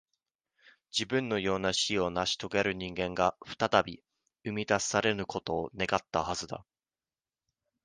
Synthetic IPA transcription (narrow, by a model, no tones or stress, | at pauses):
d͡ʑibɯ̟̃nːo̞jo̞ːnaɕio̞naɕi̥t̪o̞ɡeɾɯ̟ɲ̟ĩŋɡẽ̞ŋɡaɸɯ̟̥t̪at̪abʲi | ɯ̟mʲid̪asaɾe̞nɯ̟ko̞t̪o̞ːne̞ɡat̪ːahazɨd̪a̰